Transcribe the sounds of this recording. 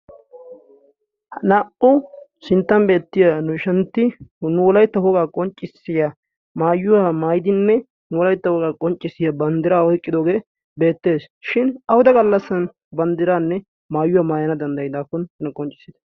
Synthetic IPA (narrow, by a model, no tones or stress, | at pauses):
hɐnaːʔʊsɪnt̪ːɐmbe̞ːt̪ːɪjanʊɪʃɐnt̪ːɪnʊwɔlɐjt̪ːɐhɔɡaːkʼɔnt͡ʃʼːɪsːɪja | maːjːʊwamaːjɪd̪ɪnːɛ | nʊwɔlɐjt̪ːɐwɔɡaːkʼɔnt͡ʃʼːɪsɪjabɐnd̪ɪɾaːɔjkʼːɪd̪oːɡe̞ː | be̞ːt̪ːe̞ːs | ʃɪnɐwʊd̪ɐɡɐlːɐsːɐn | bɐnd̪ɪɾaːnːɛ | maːjːʊwaːmaːjɐnɐd̪ɐnd̪ɐjɪd̪aːkːɔnɐnɐkʼɔnt͡ʃʼːɪ̥sɪd̪ɐ̥